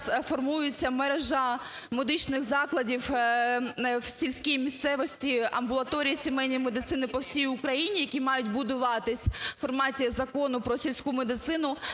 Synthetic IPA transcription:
fɔrmujʊt͡sʲːɐmɛɾeʒɐ | mɔd̪ɪt͡ʃnɪxzɑklˠɐdʲiw | wsʲilʲsʲkʲijimʲist̪sɛʋɔsʲtʲiɐ̰mbʊlˠɐt̪ɔɾʲijisʲemɛjnʲɔjmed̪ɪt̪sɪnɪpɔwsʲijʊkɾɐjinʲijɐkʲimɑjʊtʲbʊd̪ʊʋɑt̪ɪsʲfɔrmɑtʲizɐkɔnʊpɾɔsʲilʲsʲkumed̪ɪt̪sɪnʊ

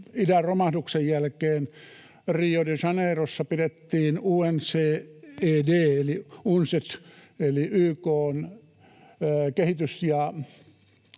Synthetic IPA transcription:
idæromɑhduksejjælkeːn | riːodisɑneːrosːɑpidet̪ːiːnuːenseːeːdeːeliunset̪eliʔyːkoːn | kehit̪ysjɑ

